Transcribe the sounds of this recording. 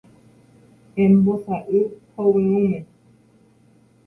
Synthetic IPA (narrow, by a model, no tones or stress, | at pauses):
ɛm̩bɔsaʔekɔweumɛ